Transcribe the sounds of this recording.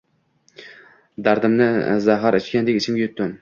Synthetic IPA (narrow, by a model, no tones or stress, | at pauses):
d̪aɾd̪ɪmnɪzaɦaɾɪt͡ʃkʲand̪ekʲɪt͡ʃʰɪmɡʲajɵt̪ːʊn